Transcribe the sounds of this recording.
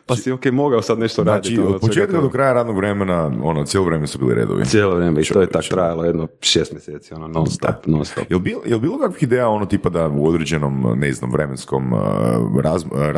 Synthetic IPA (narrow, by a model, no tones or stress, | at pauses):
passiokemoɡaosad̪neʃt̪oɾnadt͡ʃiiod̪pot͡ʃeːt̪kad̪okɾajaɾaːd̪noɡʋɾemenao̞not̪sjeloʋɾemensubḭːlḭɾḛd̪o̰ʋḭsʲjeːlˠoʋɾeːmeit̪ojet̪akt̪ɾajalojed̪noʃeːst̪mʲjeseːt̪sionononst̪o̰pnonst̪o̰pjelˠbiljelbiːlˠo̞kakʋixid̪eːjao̞not̪iːpad̪auod̪ɾed͡ʒeno̞mneznomʋɾemensko̞̰m | ɾazɾ